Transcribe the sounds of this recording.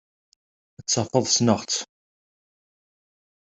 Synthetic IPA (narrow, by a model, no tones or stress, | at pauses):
ət͡sːɑfəðˤsnəʁt͡s